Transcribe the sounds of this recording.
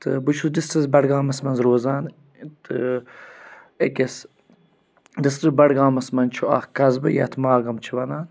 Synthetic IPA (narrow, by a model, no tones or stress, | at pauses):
t̪ɨbut͡ʃʰudist̪ɐzbɐɽɡaːmɐsmɐnzɾoːzaːn | t̪ɨ | ekʲes | d̪ist̪ɨbɐɽɡaːmɐsmɐnt͡ʃʰuɐ̰xkɐzbɨ̰jɐ̰t̪ʰmaːɡɐmt͡ʃʰiʋɐnaːn